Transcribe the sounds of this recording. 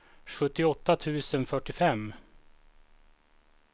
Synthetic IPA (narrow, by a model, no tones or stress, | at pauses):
ɧɵt̪ːɪɔt̪ːat̪ʰʉ̟ːsənfœʈːɪfɛmː